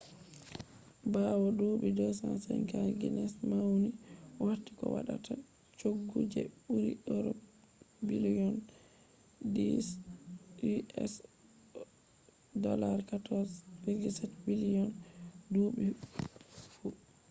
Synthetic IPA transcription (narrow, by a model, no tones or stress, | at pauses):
bawɔduɓidɔsansɛ̰jɡaɾɡḭnɛsmawniwatːi̥kɔwa̰ɗa̰tʰa | t͡ʃoɡːud͡ʒɛbuɾḭɗɔɾɔ | biliɔn | dis | ɛ̰s | dɔlaɾkatɔsfiɾɡisɛtbilijɔnduɓi | fu